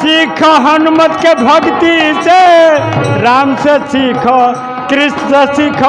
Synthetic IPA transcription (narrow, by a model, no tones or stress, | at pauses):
sikʰɔɦənumət̪kebʱəɡt̪ise | ɾamsesikʰɔ | kɾisd͡zəsikʰ